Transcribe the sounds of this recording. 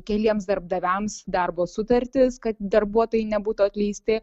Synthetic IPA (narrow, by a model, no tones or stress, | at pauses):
kʲɛlʲiɛmsd̪ɐɾb̚d̪ɐʋʲɛmsd̪ɐrboːsʊt̪ɐɾʲt̪ʲɪskɐt̪d̪ɐrbuɔt̪oːjɪnʲɛbuːt̪uːɐt̪ʲlʲiːsʲt̪ʲɪ